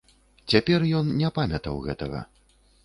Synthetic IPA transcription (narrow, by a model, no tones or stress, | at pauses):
t͡sʲapʲɛrjɔnnʲɛpamʲɐt̪ɐwɣɛ̰t̪ɐɣɐ̰